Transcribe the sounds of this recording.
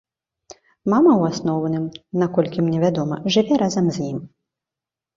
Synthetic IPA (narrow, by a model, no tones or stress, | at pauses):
mamɐwasnɔwnɨmnakɔlʲkʲimnʲɛvʲad̪ɔmɐʐɨvʲɛɾazɐmzʲjim